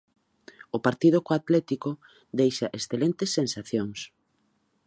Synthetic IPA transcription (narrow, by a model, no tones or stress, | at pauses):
ʊpaɾt̪iðokoat̪lɛt̪iko | d̪ejʃaʔesθelent̪esːensaθjoŋs